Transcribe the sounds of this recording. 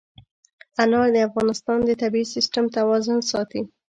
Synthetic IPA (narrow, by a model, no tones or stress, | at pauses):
anɑɾd̪əafɣɑnɪst̪ɑnd̪ət̪abiisɪsʈamt̪awɑzʊnsɑt̪i